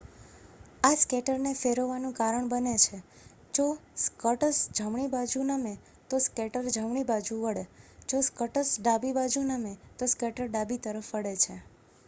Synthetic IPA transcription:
askeʈəɾnefeɾoʋanũkaɾəɳbənet͡ʃʰe | d͡ʒoskəʈəsd͡ʒʱəmɳibad͡ʒʱunəme | t̪oskeʈəɾd͡ʒʱəmɳibad͡ʒũʋəɽed͡ʒoskəʈəsɖabibad͡ʒunəmet̪oskeʈəɾɖabit̪əɾəfʋəɽet͡ʃʰe

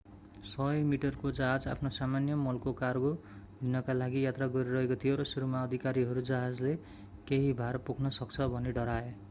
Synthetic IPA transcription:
sʌjmiʈʌrkod͡zaɦad͡za̰pʰnosamanjʌmʌlkokarɡodinʌkalaɡijat̪raɡʌɾiɾʌɦekot̪ʰijoɾʌsuɾumaʌd̪ʱikaɾiɦʌɾud͡zaɦad͡zle | keɦibʱarpukʰnʌsʌkt͡sʰʌbʱʌneɖʌɾae

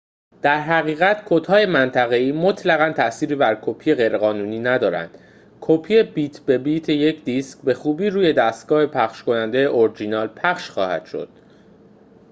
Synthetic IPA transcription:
d̪̥æɾɦæɣiːɣæt̪kʰot̪ʰhɒːje̞mænt̪ʰæɣe̞iːmo̞t̪ʰlæɣænt̪ʰæːsiːɾiːbæɾkʰopʰije̞ɣe̞jɾeɣɒːnuːniːnæd̪ɒːɾæ̰nd̪̥ | kʰopʰiːje̞biːt̪ʰbe̞bit̪ʰeje̞cʰd̪isc̚be̞xuːbiːɾuːje̞d̪æst̪ɡ̥ɒːhe̞pʰæχʃko̞nænd̪ejeʔoɾd͡ʒinɒːlpʰæχʃxɒːhæ̰d̪̥ʃo̞̰d̪̥

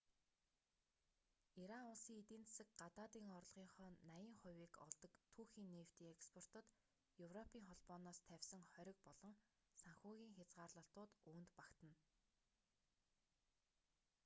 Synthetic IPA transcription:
iɾaʊɮsiːŋit̪iːnt͡ssɘ̆k̚ɢat̪aːt̪iːŋɔrɮʁiːɴχɔːnajə̆ŋχʊ̟wʲiːkɔ̰ɮt̪ɞ̆kt̪ʰuːxiːnːeːw̥t̪iːŋekspʰɔr̥t̪ə̆t̪ | jɵwrɔpʰiːŋχɔɮpɔːnɔːst̪ʰæwʲsə̆ŋχœɾʲɪ̆k̚pɔɮ̥ɞ̆ŋ | saŋxuːɣʲiːŋxʲat͡sɢaːrɮə̆ɬt̪ʊːt̪uːnt̪pakt̪ə̆n

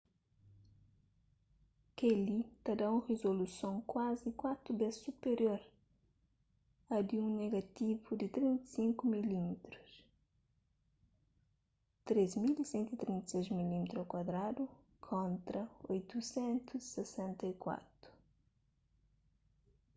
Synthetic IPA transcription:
kelit̪ɐd̪aũʁezolusõŋkwazikwat̪ɾubɛssupeɾjoɾ | ɐd̪iũneɡɐt̪ivud̪it̪ɾĩnt̪sĩŋkumilimit̪ɾus | t̪ɾezmilisɛ̃nt̪uit̪ɾĩnt̪sejzmilimt̪ɾokwɐd̪ɾad̪u | kʰõnt̪ɾɐojt̪usɛ̃nt̪uzisesɛ̃nt̪ɐikwa̰t̪ɾu̥

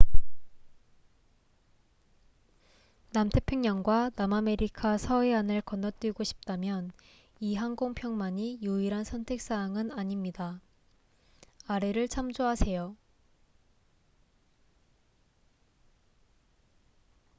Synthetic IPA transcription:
namtʰe̞pʰjoŋɲʌŋɡwanamame̞ɾikʰasʰʌeanɯɭkʌnːʌt͈wɥiɡoɕʰi̥p̚t͈amjʌn | iɦaŋɡoŋpʰjʌŋmaɲijuiɾansʰʌntʰe̞k̚s͈aŋɯnaɲimɲida | aɾe̞ɾɯɭt͡ɕʰamd͡ʑoɦasʰe̞jo

